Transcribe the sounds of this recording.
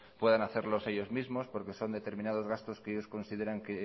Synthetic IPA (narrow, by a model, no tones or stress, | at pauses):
pwe̞ð̞anaθe̞ɾlo̞se̞ʎo̞zmizmo̞spo̞ɾke̞so̞nd̪e̞t̪e̞ɾmĩnað̞o̞zɣast̪o̞skeeʎo̞sko̞nsið̞e̞ɾaŋke